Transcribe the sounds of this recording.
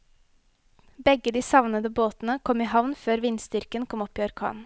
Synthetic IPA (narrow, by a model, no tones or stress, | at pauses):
bɛɡəd̪iːsɑʋnəd̪əboːt̪n̩əkʰɔmiːɦɑʋnføːɾʋɪnsd̪ʏɾkənkʰɔmɔpːiːɔɾkʰɑ̰ːn